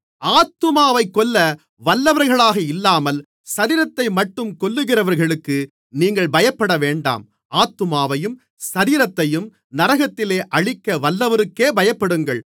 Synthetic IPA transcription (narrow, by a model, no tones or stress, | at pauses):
aːt̪ːɯmaːʋɐɪkːɔlːɐ | ʋɐlːɐʋɐɾɣɐɭaːɣɐɪlːaːmɐl | sɐɾiːɾɐt̪ːɐɪmɐʈːɯmkɔɭːɯɣɪrɐʋɐɾɣɐɭɯkːɯ | niːŋɡɐɭbɐjɐpːɐɽɐʋeːɳɖa̰ːm | aːt̪ːɯmaːʋɐjɯm | sɐɾiːɾɐt̪ːɐjɯm | nɐɾɐɣɐt̪ːɪleːʔɐɻɪkːɐʋɐlːɐʋɐɾɯkːeːbɐjɐpːɐɽɯŋɡɐɭ